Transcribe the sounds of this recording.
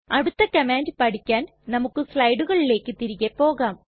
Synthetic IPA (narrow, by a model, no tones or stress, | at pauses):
ɐɽut̪ːɐkɐmaːndɨpɐɽikʲːaːn | nɐmukːɨslɐjɖuɣɐɭile̞ːkːɨt̪iɾiɣepːo̞ːɣaːm